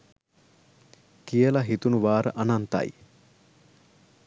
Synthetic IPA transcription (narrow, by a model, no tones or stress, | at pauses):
kijəlaɦit̪unuʋaːɾəʔanant̪a̰j